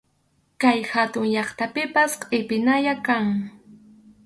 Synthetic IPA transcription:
kajhat̪ʊŋʎɑχt̪apɪpasqʼɪpɪnajakaŋ

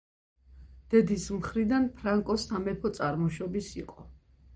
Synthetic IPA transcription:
d̪̥ɛd̪ismχɾid̪anpʰɾaŋkʼɔsamɛpʰɔt̪sʼaɾmɔʃɔbisiqʼɔ

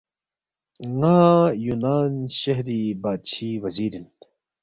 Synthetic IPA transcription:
ŋaːjunaːnɕɐɦɾiːbaːt͡ɕʰiːwɐziːɾin

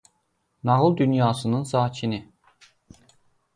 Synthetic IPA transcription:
nɑʁɯlˠd̪ynjɑːsɯnɯnsɑːt͡ʃʰini

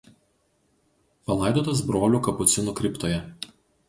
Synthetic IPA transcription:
pɐlˠɑˑɪd̪oːt̪ɐs̬bɾoːlʲuːˑkɐpʊt̪sʲɪnuːkɾʲɪpt̪oːjɛ

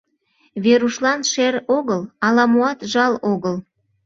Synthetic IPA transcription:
βeɾuʃlɑnʃeɾoɣəlɑlɑmuɑt̪ʒɑloɣəl

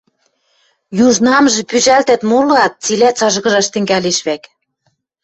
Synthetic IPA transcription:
juʒnɑmʒĕpyʒælt̪æ̆t̪mulɑt̪̚t͡silæt͡sɑʒɣɤ̆ʒɑʃt̪ɘ̆ŋɡæleʃβæk

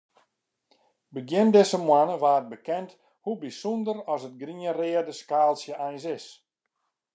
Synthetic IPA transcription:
bəɡjɪndɪsəmwanəʋaːt̚bəkɛnt | hubisundəɾɔsət̚ɡriərɪːərdəskaːlˠsjəɛjnsɪs

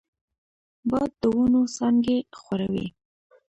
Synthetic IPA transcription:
bɑjd̪ːəwunosɑŋɡexwaɾawḭ

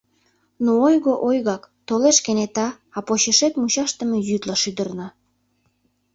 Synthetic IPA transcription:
nuojɣoʔojɣɑkt̪oleʃkenet̪ɑ | ɑpoɕeʃet̪mut͡ɕɑʃt̪ə̆mejyt̪lɑʃyd̪ərnɑ

